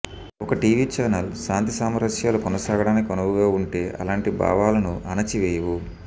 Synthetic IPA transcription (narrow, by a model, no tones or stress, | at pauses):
ɔkɐʈiːʋiːt͡ʃaːnɐlʃaːnt̪isaːmɐɾɐʂjaːlukɔnɐsaːɡɐɽaːnikikɔnɐʋuɡaːuɳʈe̞ːʔɐ̰laːɳʈiba̰ːʋaːlɐnuʔɐnɐt͡ʃiʋeːjɐʋu